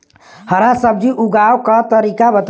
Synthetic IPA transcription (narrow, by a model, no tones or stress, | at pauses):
həɾasəb̚d͡ʒiʔuɡawkət̪əɾikabət̪